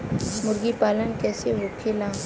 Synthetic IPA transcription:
mʊɾɡipaːlənkɛːseʋoːkʰelãː

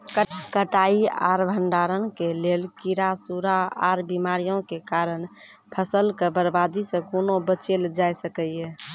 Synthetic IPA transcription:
kkəʈaia̰ɾbʱəɳɖaɾənkelelkiɾasuɾaaɾbimaɾijõkekaɾən | pʰəsəlkəbəɾbad̪isə̃konobət͡ʃeld͡ʒajsəkɛe

